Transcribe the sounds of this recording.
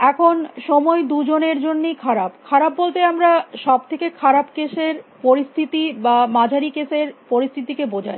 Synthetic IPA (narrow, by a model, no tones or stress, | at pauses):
ɛkʰonʃɔmɔed̪ud͡ʑoneɾd͡ʑonːejkʰaɾabkʰaɾabbolt̪eamɾaʃɔb̚t̪ʰekekʰaɾabkeʃeɾpoɾist̪ʰit̪ibamad͡ʑʱaɾikeseɾpoɾist̪ʰit̪ikebod͡ʑʱa̰j